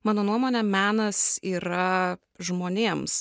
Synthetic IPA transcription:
mɑːnoːnuɔmoːnʲɛmʲæːnɐsiːɾɐ | ʒmoːnʲeːms

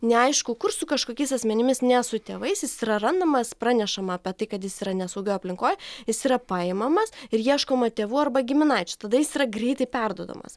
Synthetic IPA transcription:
nʲɛɐɪʃkʊkʊrsʊkɐʃkoːkʲɛɪsɐsʲmʲɛnʲɪmʲɪsnʲɛsʊt̪ʲḛːʋɐɪsjɪsiːɾɐrɐnd̪ɐmɐspɾɑːnʲɛʃɐmɐːpʲɛt̪ɐɪkɐt̪jɪsiːɾɐnʲɛsɐʊɡʲɛʊɐpʲlʲɪŋkoːjjɪsiːɾɐpɑːɪmɐmɐsɪɾjiɛʃkoːmɐt̪ʲeːʋuːɐrbɐɡʲɪmʲɪnɐɪt͡ʃʲʊt̪ɐd̪ɐjɪsiːɾɐɡɾʲɛɪt̪ɐɪpʲɛrd̪uɔd̪o̰mɐ̰s

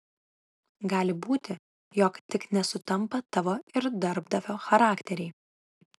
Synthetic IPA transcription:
ɡɑːlʲɪbuːt̪ʲɪ | jɔːkt̪ʲɪknʲɛsʊt̪ɐmpɐt̪ɐʋoːɪɾd̪ɐɾbd̪ɐʋʲoːxɐɾɑːkt̪ʲɛɾʲɛɪ

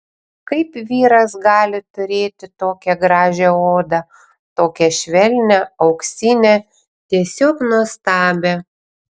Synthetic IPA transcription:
kɐɪpʋʲiːɾɐsɡɑːlʲɪt̪ʊɾʲeːt̪ʲɪt̪oːkʲɛɡɾɑːʒʲɛoːd̪ɐ | t̪oːkʲɛʃʲʋʲɛlʲnʲɛɐʊksʲɪnʲɛ | t̪ʲiɛsʲoːknuɔst̪ɑːbʲe

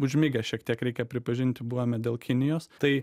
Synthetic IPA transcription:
ʊʒʲmʲɪɡʲɛʃʲiɛkt̪ʲiɛkɾʲɛɪkʲɛpʲɾʲɪpɐʒʲɪnʲt̪ʲɪbuːʋɐmʲɛd̪ʲeːlˠkʲɪnʲɪjoːst̪ɐɪ

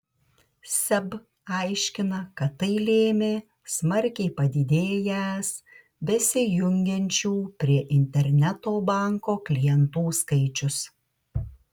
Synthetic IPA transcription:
sʲɛb | ɐˑɪʃʲkʲɪnɐkɐt̪ːɐɪlʲeːmʲeː | smɐɾʲkʲɛɪpɐd̪ʲɪd̪ʲeːjæs | bʲɛsʲɪjʊŋʲɡʲɛnʲt͡ʃʲuːpʲɾʲiɛʔɪnʲt̪ʲɛɾʲnʲɛt̪oːbɑˑŋkoːklʲijɛnt̪uːskɐɪt͡ʃʲʊs

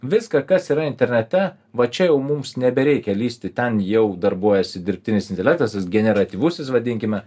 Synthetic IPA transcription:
ʋʲɪskɐkɐsiːɾɐɪnʲt̪ʲɛɾʲnʲɛt̪ʲɛ | ʋɐt͡ʃʲɛjɛʊmumsnʲɛbʲɛɾʲɛɪkʲɛlʲiːsʲt̪ʲɪt̪ʲɛnjɛʊd̪ɐrboːjɛsʲɪd̪ʲɪɾʲpʲt̪ʲɪnʲɪsɪnt̪ʲɛlʲæːk̚t̪ɐsɐsɡʲɛnʲɛɾɐt̪ʲiːʋʊsʲɪsʋɐd̪ʲɪŋʲkʲɪmʲɛ

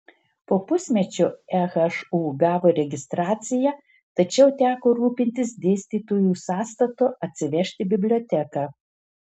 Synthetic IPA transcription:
poːpʊsʲmʲɛt͡ʃʲʊɛɣɛʃuːɡɑːʋoːɾʲɛɡʲɪst̪ɾɑːt̪sʲɪjɛ | t̪ɐt͡ʃʲɛʊt̪ʲæːkoːɾuːpʲɪnʲt̪ʲɪsd̪ʲeːsʲt̪ʲiːt̪oːjuːsɑːst̪ɐt̪oʔɐt̪ʲsʲɪʋʲɛʃʲt̪ʲɪbʲɪbʲlʲoːt̪ʲækɑː

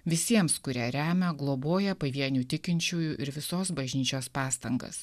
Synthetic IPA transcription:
ʋʲɪsʲiɛmskʊɾʲiɛɾʲæːmʲɛɡlˠoːboːjɛpɐʋʲiɛnʲuːt̪ʲɪkʲɪnʲt͡ʃʲuːjuʔɪɾʋʲɪsoːsbɐʒʲnʲiːt͡ʃʲoːspɑːst̪ɐŋɡɐ̰s

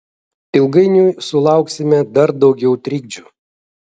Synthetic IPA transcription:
ɪlˠɡɐɪnʲujsʊlˠɑˑʊksʲɪmʲɛd̪ɐɾd̪ɒʊɡʲɛʊt̪ʲɾʲiːɡ̚d͡ʒʲu

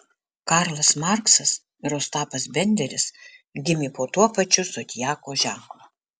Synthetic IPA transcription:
kɑɾlˠɐsmɑɾksɐs | ɪɾoːst̪ɑːpɐsbʲɛnʲd̪ʲɛɾʲɪsɡʲɪmʲiːpoːt̪uɔpɐt͡ʃʲʊsot̪ʲɪjæːkoːʒʲæˑŋklˠo

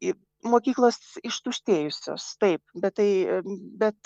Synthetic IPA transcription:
moːkʲiːklˠoːsɪʃt̪uʃʲt̪ʲeːjʊsʲo̰ːst̪ɐɪp̚bʲɛt̪̚t̪ɐɪbʲɛt̪

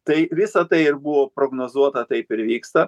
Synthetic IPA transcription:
t̪ɐɪʋʲɪsɐt̪ɐɪɪɾbʊʋoːpɾoːɡnoːzuɔt̪ɐt̪ɐɪpɪɾʋʲiːkst̪ɐ

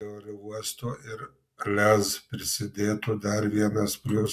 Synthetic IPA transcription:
oːɾʲɪuɔst̪oːʔɪɾ | lʲɛzpʲɾʲɪsʲɪd̪ʲeːt̪ʊd̪ɐɾʋʲiɛnɐspʲlʲʊs

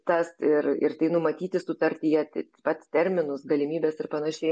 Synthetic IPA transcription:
t̪ɐsɪrɪ̰rt̪ɐɪnʊmɐt̪ʲiːt̪ʲɪsʊt̪ɐɾʲt̪ʲijɛt̪ʲpɐt̪ʲst̪ʲɛɾʲmʲɪnʊsɡɐlʲɪmʲiːbʲɛːsɪrpɐnɐʃʲɛɪ

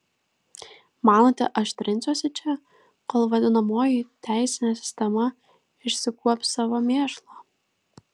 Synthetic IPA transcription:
mɑːnot̪ʲɛ̰ʔɐʃʲt̪ʲɾʲɪnʲsʲuɔsʲɪt͡ʃʲɛ | koːlˠʋɐd̪ʲɪnɐmoːjit̪ʲæˑɪsʲɪnʲesʲɪ̥sʲt̪ʲɛmɐ | ɪʃʲsʲɪkuɔpʲsɑʋomʲeːʃlˠo

